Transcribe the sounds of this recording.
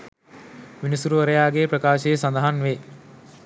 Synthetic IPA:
ʋinisuɾuʋəɾəjaːɡeːprəkaːʃəjəsand̪ɐɦanʋe

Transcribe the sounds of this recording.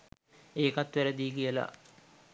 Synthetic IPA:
eːkat̪ʋæɾəd̪iːkijəla̰

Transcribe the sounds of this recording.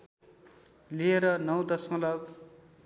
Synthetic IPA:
lieɾʌnʌwd̪ʌsmʌlʌb

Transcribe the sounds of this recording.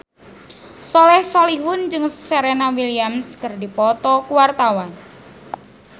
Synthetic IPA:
sɔlɛhsoliɦʊnd͡ʒɨŋseɾenawiliamskərdipɔt̪ɔkuwart̪awan

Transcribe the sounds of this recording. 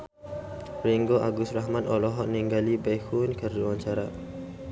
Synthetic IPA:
ɾiŋɡoʔaɡusɾaɦmanɔlɔɦɔʔniŋɡalibajhunkərd͡ʒuwaɲt͡ʃaɾa

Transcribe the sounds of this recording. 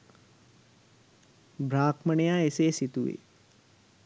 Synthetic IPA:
bʱɾaːkməɳejaːeseːsit̪uʋḛ

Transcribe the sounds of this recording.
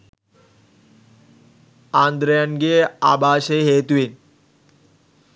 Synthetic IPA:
and̪ɾjanɡea̰baːɕeɦet̪uʋen

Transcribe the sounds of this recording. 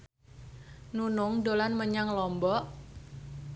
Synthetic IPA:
nunʊŋdolanməɲaŋlɔmbɔ

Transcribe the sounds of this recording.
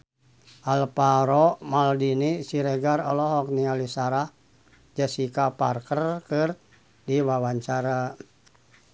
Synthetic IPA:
ʔalpaɾɔmaldinisiɾɛɡarɔlɔɦɔk̚nialisaɾah | d͡ʒasikapa̰rkərkɨr | diwawaɲt͡ʃaɾa

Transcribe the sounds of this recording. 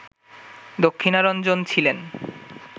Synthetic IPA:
d̪okʰːinaɾɔnd͡ʑont͡ɕʰilen

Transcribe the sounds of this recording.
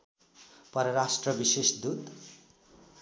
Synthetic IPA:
pʌɾʌɾasʈrʌbisesd̪ut̪

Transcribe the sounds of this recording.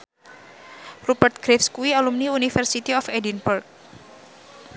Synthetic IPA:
rupərt̪̚ɡ̥ɾɛfskuialumniunifɛrsit̪iɔfɛdinburk̚

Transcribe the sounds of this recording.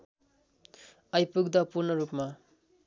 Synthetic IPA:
ʌjpuk̚d̪ʌpuɾnʌɾup̚ma

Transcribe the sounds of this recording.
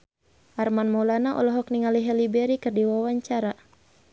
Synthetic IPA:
ʔarmanmɔlanaʔɔ̰lɔɦɔkniŋaliɦɛlibɛɾikɨrdiwawaɲt͡ʃaɾa

